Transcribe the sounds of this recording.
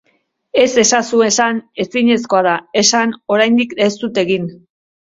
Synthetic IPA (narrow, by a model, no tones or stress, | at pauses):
e̞se̞sasue̞sane̞siɲe̞sko̞aðae̞sano̞ɾajnd̪ikest̪ut̪e̞ɣin